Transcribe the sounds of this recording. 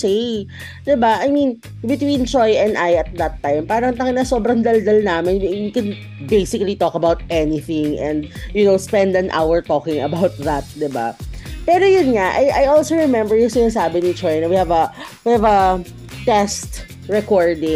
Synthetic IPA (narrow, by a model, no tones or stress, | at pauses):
sej | d̪ɪbaʔajmin | bɪt̪wĩnt͡ʃɔjʔɛ̃nd̪ajɐt̪̚d̪ɐt̪ːãjmpaːɾɐŋt̪ɐŋnɐsoːbɾɐnd̪ɐld̪ɐlnaːmɪnwiwikɛ̃n | bejsɪkɐlit̪ɔkɐbawt̪̚ʔɛniθɪ̃ŋʔɛ̃nd̪̚jʊnoʊspɛ̃nd̪ɐ̃nʔa̰wɛɹt̪ɔːkɪ̃ŋɐbawt̪̚ðɐt̪̚d̪ɪba̰pɛːɾojʊnŋaʔajʔajolsoɹɛmɛmbɛɹjʊŋsɪnas̬aːbɪnit͡ʃɔjnɐwihævɐ | wihævɐ | t̪ɛst̪ | ɹɛkoɹd̪ɪ̃